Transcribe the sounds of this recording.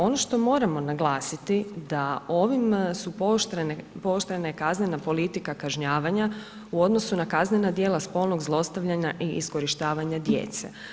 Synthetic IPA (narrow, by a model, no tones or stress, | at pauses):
o̞no̞ʃt̪o̞mo̞ːɾamo̞naɡlˠaːsit̪id̪ao̞ʋimsupot̪npo̞ʃt̪ɾenaekaznenapo̞lit̪ikakaʒɲaːʋaɲa | uo̞d̪no̞sunakaznenad̪je̞ːlaspo̞ːlˠnoɡzlˠo̞st̪aʋʎaɲaʔiisko̞ɾiʃt̪aːʋaɲad̪jḛːt̪sḛ